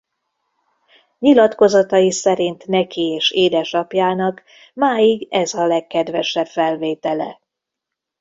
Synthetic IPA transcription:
ɲilɒt̪ko̞zɒt̪ɒjisɛɾint̪nɛkieːʃeːd̪ɛʃɒpjaːnɒk | maːjiɡɛzɒlɛkːɛd̪ʋɛʃɛbfɛlveːt̪ɛlɛ̰

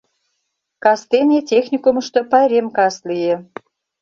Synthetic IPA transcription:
kɑst̪enʲetʲexnʲikumə̆ʃt̪ŏpɑɾʲemkɑslijĕ

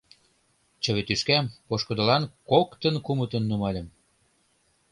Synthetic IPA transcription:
t͡ɕə̆βet̪yʃkæmpoʃkɤ̆d̪ə̆lɑnkokt̪ənkumə̆t̪ə̆nːumɑlʲə̆m

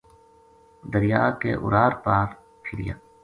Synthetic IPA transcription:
d̪əɾijaːkḛːʔʊ̰ɾaːɾpaːɾ | pʰɪɾija̰ː

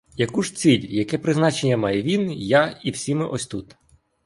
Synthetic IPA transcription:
jɐkuʒt͡sʲilʲjɐkɛpɾɪznɑt͡ʃenʲːɐmɑjɛʋʲinjaiwsʲimɪʔɔsʲt̪ut̪

